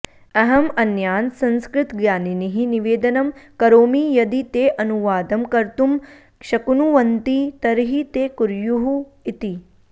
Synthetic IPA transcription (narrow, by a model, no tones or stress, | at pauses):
ɐɦɐmɐnjaːnsɐ̃nskɾɪt̪ɡjaːniniɦiniʋeːd̪ɐnɐmkɐɾoːmijɐd̪it̪eːʔɐnuʋaːd̪ɐmkɐɾt̪um | kʃɐkunuʋɐnt̪it̪ɐɾɦit̪eːkuɾjuɦu | it̪i